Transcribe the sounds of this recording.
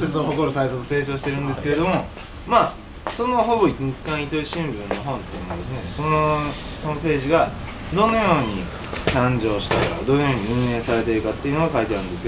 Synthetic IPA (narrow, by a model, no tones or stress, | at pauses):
soɾɯt̪oɦo̞ko̞ɾɯsait̪ot̪ose̞ːt͡ɕo̞ːɕ̬i̥t̪e̞ɾɯ̟̃nd̪esɨ̥keed̪o̞mo | maː | so̞no̞ɦo̞bo̞iɲikkãɰ̃it̪o̞iɕĩmbɯ̟̃nːo̞ɦõ̞ːnt̪ejɯ̟noad̪e̞sɨnesono | sonope̞ːʑiɡa | d̪o̞no̞jo̞ːɲ̟ḭ | t̪ãɲd͡ʑo̞ːɕi̥t̪aika̰d̪o̞nojo̞ːɲ̟iɯ̟̃ɰ̃ẽːsaɾe̞t̪e̞ɾɯ̟kat̪ːe̞iɯ̟noakait̪eaɾɯ̟̃nd̪e̞sɨjo